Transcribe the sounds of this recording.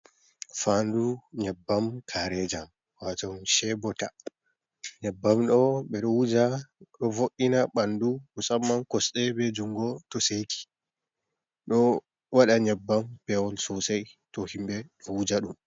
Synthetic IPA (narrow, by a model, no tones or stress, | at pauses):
fanduɲɛbːamkʰaɾɛd͡ʒam | watɔʃɛbɔta | ɲɛbːamɗɔɓɛɗɔwud͡ʒaɗɔvoʔːinaɓandukɔsamːankɔsɗɛbɛd͡ʒuŋɡɔtɔsekʰi̥ | ɗɔ | waɗaɲɛbːampɛɔlsɔsajtɔhimɓɛɗɔwud͡ʒaɗum